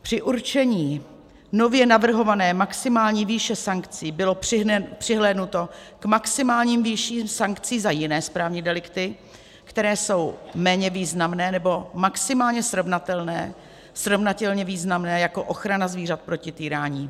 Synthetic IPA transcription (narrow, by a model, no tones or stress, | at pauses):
pr̥ɪʔuɾt͡ʃɛɲiː | no̞vjɛnavr̩ɦo̞vanɛːmaksɪmaːlɲiːviːʃɛsaŋkt͡siːbɪlo̞ɪpr̝̥ɪɦlɛːdnut̪o̞kmaksɪmaːlɲiːmviʃiːmsaŋkt͡siːzajɪnɛːspɾaːvɲidɛlɪkt̪ɪ | kt̪ɛɾɛːso̞wmɛːɲɛviːznamnɛːnɛbo̞maksɪmaːlɲɛsɾo̞vnat̪ɛlnɛː | sɾo̞vnat̪ɛlɲɛviːznamnɛːjako̞ʔo̞xɾanazviːr̝at̪̚pɾo̞cɪt̪iːɾaːɲiː